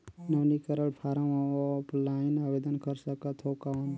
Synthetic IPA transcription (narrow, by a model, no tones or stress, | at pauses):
nənikəɾəɽpʰaɾamaɔplainabed̪ənkəɾsəkət̪ʰɦowkaən